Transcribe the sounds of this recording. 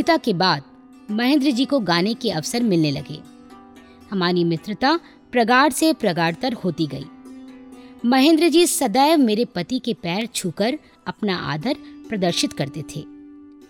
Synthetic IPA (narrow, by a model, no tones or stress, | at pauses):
ɪt̪akebaːd̪̚ | mɐɦẽnd̪ɾəd͡ʒiːkoɡaːnekeɐʋsəɾmɪlnelɐɡḛː | hɐmaːɾimɪt̪ɾət̪a | pɾɐɡaːɽsepɾɐɡaːɽt̪ɐɾhoːt̪iɡɐḭː | mɐɦẽnd̪ɾəd͡ʒiːsɐd̪aːjəʋmeːɾepɐt̪ikepɛːɾt͡ʃʰukəɾ | ɐpnaʔa̰ːd̪ʱəɾpɾɐd̪əɾʃɪt̪kɐɾt̪et̪ʰeː